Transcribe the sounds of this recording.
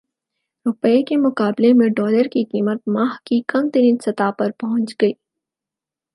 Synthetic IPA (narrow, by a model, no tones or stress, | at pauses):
ɾʊpːekemʊqaːblemẽɖɔːləɾkiqiːmət̪̚maːɦkikɐmt̪ɐɾĩːnsɐt̪apɐɾpɐɦʊ̃nt͡ʃɡɐiː